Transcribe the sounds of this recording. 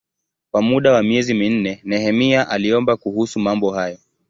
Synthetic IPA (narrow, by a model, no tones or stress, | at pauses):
kwamuɗawamiɛzimin̩nɛnɛhɛmiaʔaliɔmbakuhusumambɔɦajɔ